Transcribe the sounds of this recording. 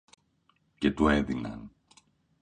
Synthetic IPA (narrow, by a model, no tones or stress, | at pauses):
ce̞t̪ue̞ðinɐ̰n